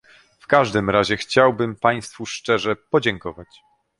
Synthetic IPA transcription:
fkaʐd̪ɘmɾaʑɛxt͡ɕawbɘmpaj̃st̪fuʂt͡ʂɛʐɛpɔd͡ʑɛŋkɔvat͡ɕ

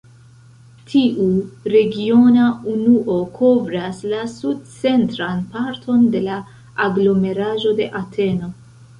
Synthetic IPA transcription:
tʰiʔuɾe̞ɡio̞naunuʔo̞kʰo̞vɾaslasud̚t͡se̞ntɾanpaɾtʰo̞nde̞laː | ɡlo̞me̞ɾaʒo̞de̞̰ʔatʰe̞no̞

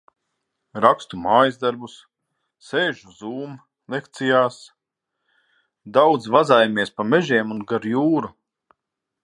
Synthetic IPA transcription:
ɾakst̪umaːjzd̪aɾbus | seːʒuzuːm | lˠekt̪sijaːs | d̪awd̪zvazaːjameɛspamɛʒeɛmunɡaɾjuːɾu

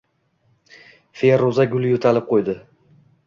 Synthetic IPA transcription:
feɾozaɡʲʊlˠjot̪ʰalɪp̚qʰojd̪ɪ

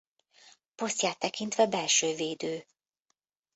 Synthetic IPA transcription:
po̞st̪jaːt̪ːɛkint̪ʋɛbɛlʃøːveːd̪øː

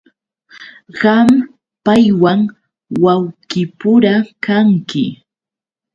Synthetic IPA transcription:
ɢɑm | pajwaŋ | wawkɪpʊɾakaŋkɪ̰

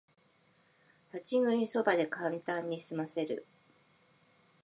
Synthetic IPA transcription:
hat͡ɕiɡɯ̟̃ɲĩso̞bad̪e̞kãnt̪ãɲ̟ːisɨmase̞ɾɯ̟̰

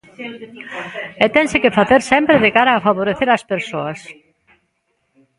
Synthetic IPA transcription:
ɛt̪ɛnsɛcɪfaθɛɾ̥sɛmpɾɪðekaːɾaːfavoɾɛθɪɾaspɛɾ̥soas

